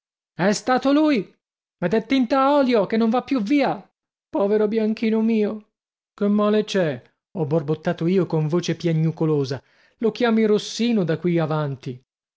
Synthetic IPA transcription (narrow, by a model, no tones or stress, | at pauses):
ɛst̪aːt̪oluːj | mɛd̪ɛt̪ːint̪aɔːljokenːoɱvapːjuvːiːa | pɔːveɾobjaŋk̟iːnomiːo | kemːaːlet͡ʃɛ | ɔborbot̪ːaːt̪oiːokoɱvoːt͡ʃepjaɲːukoloːza | lokjaːmiɾosːiːnod̪akːwiavant̪i